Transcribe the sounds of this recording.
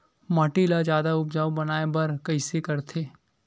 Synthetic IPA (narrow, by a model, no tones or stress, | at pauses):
mɐʈilad͡ʒjaːd̪aʊpd͡ʒaːʋbɐnaːebɐɾkɐɪsekɐɾt̪ʰeː